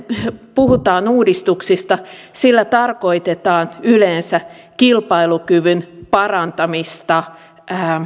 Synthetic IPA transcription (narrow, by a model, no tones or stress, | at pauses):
puhut̪ɑːnuːdist̪uksist̪ɑsilːæt̪ɑrko̞it̪et̪ɑːnyleːnsækilpɑilukyʋynpɑrɑnt̪ɑmist̪ɑ